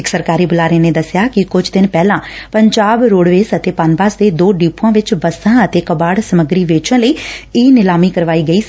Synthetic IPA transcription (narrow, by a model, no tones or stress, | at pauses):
ɪksəɾkaːɾiːbʊlaːɾeːneːd̪əsɪjaːkɪkʊd͡ʒd̪ɪnpɛːlãːpəɲd͡ʒaːbɾoːɽʋeːsət̪eːpanbaːsd̪eːd̪oːɖiːpːãːʋɪt͡ʃbəsãːət̪eːkəbaːɽsəməɡɾiːʋeːt͡ʃə̃nləiːiːnɪlaːmiːkəɾʋaːiːɡəiː